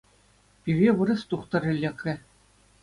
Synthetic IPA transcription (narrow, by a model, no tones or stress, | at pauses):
pʲirʲeʋɯɾɤ̆st̪uχt̪ɤ̆rʲɘ̆lʲːĕkːʲɘ̆